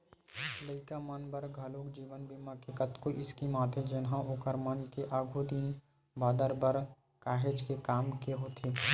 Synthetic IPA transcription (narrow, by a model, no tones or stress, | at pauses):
ləikamənbəɾɡʱɐlokd͡ʒiːʋənbʱimɐkekət̪koʔɪskimaːt̪ʰed͡ʒɪnɦãʔʊkəɾmankeʔaːɡʱod̪iːn | baːd̪əɾbəɾ | kaːɦed͡ʒkekaːmkeɦoːt̪ʰeː